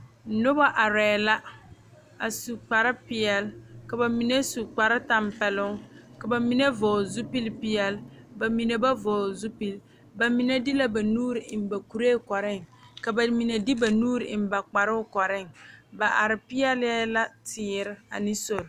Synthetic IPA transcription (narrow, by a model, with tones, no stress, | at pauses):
nʊ˦ba˦ʔa˨ɾɛː˨la˦ | a˨su˨k͡pa˨ɾɪ˦pɪ˨ɛ˨lka˨ba˨mi˨ne˦su˨k͡pa˨ɾa˦ta˨mpɛ˨lʊ˦ŋka˨ba˨mi˦ne˦vɔː˨zu˦pi˦lpɪ˦jɛ˦lba˨mi˨ne˨ba˦vɔː˨zu˦pi˦l | ba˨mi˨nɛ˦dɪ˦la˦ba˨nuː˦ɾɪ˨ɪ˨m˨ba˨ku˨ɾeː˦˨kɔ˨ɾɪ˦ŋka˨ba˨mi˨ne˨dɪ˦ba˨nuː˦ɾɪ˨ɪ˨m˦ba˨k͡pa˨ɾʊ˦ʊ˦kɔ˨ɾɪ˦ŋba˨ʔa˨ɾɪ˨pɪ˦jɛ˦lɛ˦la˦tɪː˨˦˨ɾɪ˦a̰˨nɪ˦so˨ɾ